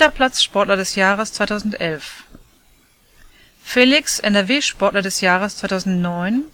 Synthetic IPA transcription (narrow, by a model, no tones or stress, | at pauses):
ɐpʰl̥at͡sʃpɔɐtlɐdɛsjaːʁəst͡sv̥aɪtʰaʊzn̩tʔɛlf | feːlɪksʔɛnɛɐveːʃpɔɐtlɐdɛsjaːʁəst͡sv̥aɪtʰaʊzn̩tnɔʏn